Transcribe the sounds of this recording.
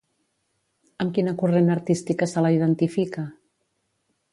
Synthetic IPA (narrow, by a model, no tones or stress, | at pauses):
əmkinəkurenəɾt̪ist̪ikasəlaiðənt̪ifika